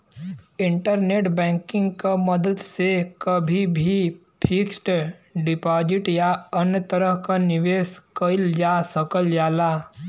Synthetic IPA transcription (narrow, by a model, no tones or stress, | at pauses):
ɪ̃ɳʈəɾneːʈbɛ̃ːŋkɪ̃ŋɡkaməd̪əd̪sekəbʱibʱi | pʰɪksʈɖɪpaːd͡ʒɪʈjaənjət̪əɾəɦkanɪʋeːskəɪld͡ʒaːsəkəld͡ʒaːlaː